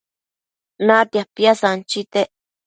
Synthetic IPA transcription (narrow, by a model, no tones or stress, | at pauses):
nat̪japiasant͡ʃit̪eʔ